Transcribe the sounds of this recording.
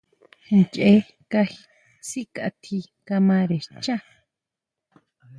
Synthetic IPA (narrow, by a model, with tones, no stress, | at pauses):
nt͡ʃʼe˦ | ka˧xi˧ | si˦kʼa̰˨t̪ʰi˧ | ka˧mã˧ɾe˨t͡ʃa˦